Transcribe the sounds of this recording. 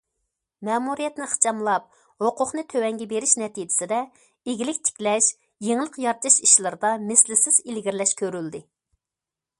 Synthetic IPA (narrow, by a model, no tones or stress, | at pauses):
mɛmuɾijɛt̪nɪχɨ̥t͡ʃʰɑmlˠɑp̚ | hoqʰʊqnɨt̪ʰøwɛŋɡʲɛbeɾɪʃnɛt̪ʰid͡ʒɪ̥sɪd̪ɛ | eɡʲilɪkʲt͡ʃ̪ʰi̥pʲlɛʃ | jeŋlˠəqjɑɾt̪ʰɨʃiʃlˠɨɾɨd̪ɑmɪslɪsɪz̥ilɡʲiɾlɛʃkʲʰøɾyld̪ɪ